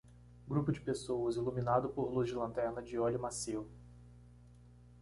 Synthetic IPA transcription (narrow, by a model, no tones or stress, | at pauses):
ɡɾupʊd͡ʒɪpesowɐziluminad̪ʊpoɾluzd͡ʒɪlɐ̃nt̪ɛɾnɐd͡ʒɪɔlʊmasew